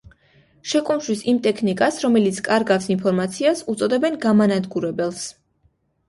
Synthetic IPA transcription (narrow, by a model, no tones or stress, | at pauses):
ʃɛkʼumʃwisimt̪ʼɛkʰnikʼasɾɔmɛlit̪sʰkʼaɾɡafsinpʰɔɾmat̪sʰiasut̪sʼɔd̪ɛbɛnɡamanad̪ɡuɾɛbɛlˠs